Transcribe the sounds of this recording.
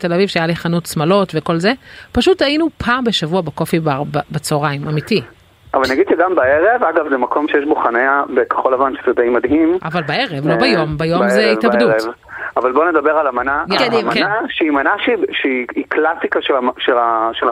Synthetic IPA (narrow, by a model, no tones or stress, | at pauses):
te̞lavivʃeajaliχanutsmalo̞tveko̞lzepaʃutajinupʰaːmbeʃavuabako̞fibababat͡soʁaimamiti | ʔavalniaɡid̪ʃeɡambaeʁevaɡavzemakʰo̞mʃejeʃbuχaneabeke̥χo̞lavanʃezed̪ejmad̪ɦimʔavalbaeʁevlobajombajo̞mzeivabduev | avalboned̪abeʁalamanadimanaʃeimanaʃeiʃeiiklasikaʃeʃelaʃela